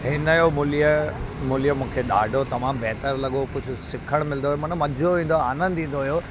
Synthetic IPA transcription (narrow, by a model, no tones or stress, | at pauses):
ɦɪnəjomʊlijəmʊlijəmũːkʰeɗa̰ːɖʱot̪ɐmaːmbeɦt̪əɾlɐɠopʊd͡ʑʱʊsɪkʰəɽ̃mɪlnoɦijomɐnmɐdʱoʋĩːn̆d̪oaːnə̃nd̪ĩːn̆d̪oɦijo